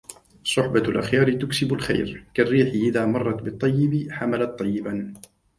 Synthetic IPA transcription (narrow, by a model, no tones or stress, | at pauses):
sˤʊħbalʔa̰xjɑːɾɪt̪ʊksɪbʊlxa̰jɾkarːiːħɪʔɪðaːmɑrˤːɑt̪bɨt̪ˤːɑjːɪbɪħamalat̪ˤːɑjːɪban